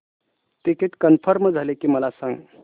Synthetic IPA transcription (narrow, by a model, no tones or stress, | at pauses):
ʈikeʈkənpʰəɾməd͡zʱalekiməlasə̃ŋɡ